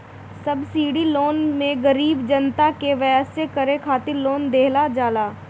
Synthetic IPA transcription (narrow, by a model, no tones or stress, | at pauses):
sɐbsiːɽiloːnmẽɡəɾiːbd͡ʒənt̪akeʋəjəsekəɾẽkʰaːt̪ɪɾloːnd̪eːɦlad͡ʒaːlaː